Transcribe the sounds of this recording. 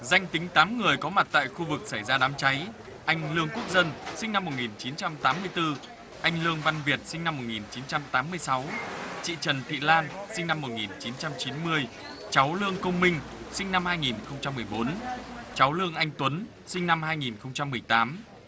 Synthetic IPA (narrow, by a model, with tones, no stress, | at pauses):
za˧jŋ̟t̪ï˨˦ŋ̟t̪aː˨˦mŋɨ˨˩əjkɔ˨˦ma˨˩t̚t̪a̰ː˧˨jxu˧vɨ˨˩k̚sa˧˩jzaː˧ɗaː˨˦mt͡ɕa˨˦j | ʔa˧jŋ̟lɨ˧əŋku˦˥ək̚zə˧nsï˧ŋ̟na˧mːo˨˩t̚ŋi˨˩nt͡ɕi˨˦nt͡ɕa˧mt̪aː˨˦mːɨ˧əjt̪ɨ˧ | ʔa˧jŋ̟lɨ˧əŋva˧nvi˨˩ət̚sï˧ŋna˧mːo˨˩t̚ŋi˨˩nt͡ɕi˨˦nt͡ɕa˧mt̪aː˨˦mːɨ˧əjsa˨˦wt͡ɕḭ˧˨t͡ɕə˨˩nt̪ʰḭ˧˨laː˧nsï˧ŋ̟na˧mːo˨˩t̚ŋi˨˩nt͡ɕi˨˦nt͡ɕa˧mt͡ɕi˨˦nmɨ˧əj | t͡ɕa˨˦wlɨ˧əŋkə˧wŋ͡mmï˧ŋ̟ | sï˧ŋ̟na˧mhaː˧jŋi˨˩nxə˧wŋ͡mt͡ɕa˧mːɨ˨˩əjɓo˨˦nt͡ɕa˨˦wlɨ˧əŋʔa˧jŋ̟t̪wə˨˦n | sï˧ŋ̟na˧mɦaː˧jŋi˨˩nxə˧wŋ͡mt͡ɕa˧mːɨ˨˩əjt̪aː˨˦m